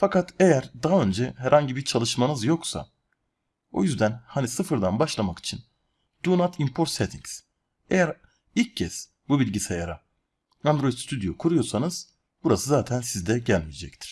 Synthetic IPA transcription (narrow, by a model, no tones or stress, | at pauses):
fakat̪ʰejæɾd̪aɦaø̞nd͡ʒɛɦæɾhaɲɟibiɾt͡ʃʰalˠɯʃmanɯzjo̞ksa̰ | o̞̰jyzd̪ænhanisɯfɯɾd̪anbaʃlˠamaki̥t͡ʃʰin | d̪̥unat̪ʰimpʰo̞ɾt̪sɛt̪ʰiŋs | ejæɾ | ilʲcʰːɛs | bubilʲɟisajaɾa | and̪ɾo̞jid̪st̪ʰyd̪ijo̞kʰuɾujo̞ɾsanɯz̥ | buɾasɯzaːt̪ʰænsizd̪ɛɟælʲmijɛd͡ʒɛct̪ʰi̥ɾ̥